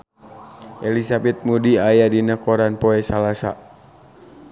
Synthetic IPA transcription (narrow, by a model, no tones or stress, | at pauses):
ʔɛlisabɛt̪̚mudiajadinəkɔɾanpɔɛsalasa̰